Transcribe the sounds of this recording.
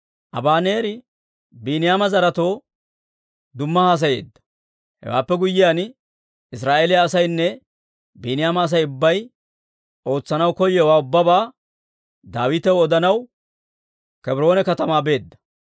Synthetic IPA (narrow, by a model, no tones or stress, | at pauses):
ʔɐ̰baːne̞ːɾɪ | biːnɪjaːmɐzɐɾɐt̪o̞ː | d̪ʊmːɐhaːs̬ɐje̞̰ːd̪ːɐ̥ | hɛ̰wa̰ːpːɛɡʊjːɪjaːn | ɪs̬ɾaːʔeːlɪjaːsɐjnːɛ | biːnɪjaːmɐːs̬ɐjʊbːɐj | o̞ːt͡sːɐnɐwkɔjːɛwaːʊbːɐbaː | d̪aːwɪt̪ɛwɔd̪ɐnɐw | kɛbɪɾo̞ːnɛkɐt̪ɐmaːbe̞ːd̪ːɐ̥